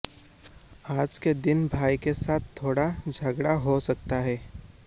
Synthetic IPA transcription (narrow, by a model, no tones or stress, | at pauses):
aːd͡ʒked̪ɪnbʱaːikesaːt̪ʰt̪ʰːoːɽad͡ʒʱɐɡɽaɦosɐkt̪aɦɛː